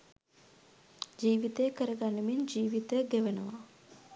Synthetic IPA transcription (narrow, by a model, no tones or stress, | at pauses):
d͡ʒiːʋit̪əjəkəɾəɡanːemind͡ʒiːʋit̪əɡeʋənəʋa